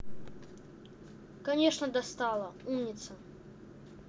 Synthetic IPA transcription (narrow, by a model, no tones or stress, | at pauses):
kanʲeʂnɐd̪ɐst̪alˠɐumnʲɪt̪sə